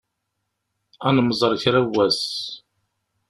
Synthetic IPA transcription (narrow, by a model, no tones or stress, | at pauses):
ænməzˤəɾˤçɾæwːæs